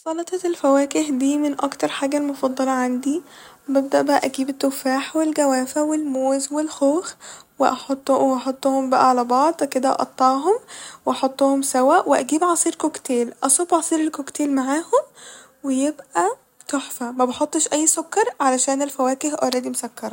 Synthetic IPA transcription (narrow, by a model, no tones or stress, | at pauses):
sˤɑlɑt̪ˤɑelfæwæːkehd̪iːmenʔɑkt̪ɑɾˤħaːɡælmofɑd̪ˤːɑlɑʕand̪i | beb̚d̪æʔbæʔæʔæɡiːbet̪ːofaːħwelɡæwæːfæwelmoːzwelxoːxweʔɑħot̪ˤːʔɑħot̪ˤːoːhombæʔæʕalæbɑʕd̪ˤweked̪æʔʔɑ̰t̪ˤːɑːɦomweʔɑħot̪ˤːoːhomsæwæʔwʔeʔæɡiːbʕɑsˤiːɾkokt̪eːlʔɑsˤobʕɑsˤiːɾelkokt̪eːlmaʕaːhom | wejebʔæ | t̪oħfæmæbɑħot̪ˤːeʃʔæjːsokːɑɾˤʕalæʃæːnelfæwæːkehʔɑ̰ɾˤɑːd̪imosækːɑɾˤɑ